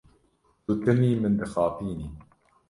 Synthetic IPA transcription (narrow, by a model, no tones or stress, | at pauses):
t̪ut̪ɨmiːmɨnd̪ɨxɑːpiːniː